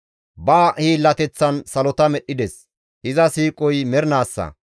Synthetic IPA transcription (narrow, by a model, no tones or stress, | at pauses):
baːhiːlːɐt̪ɛt͡sːɐnsɐlɔt̪ɐmɛɗːɪd̪ɛs | ʔɪzɐsiːkʼɔjmɛɾnaːsːɐ̰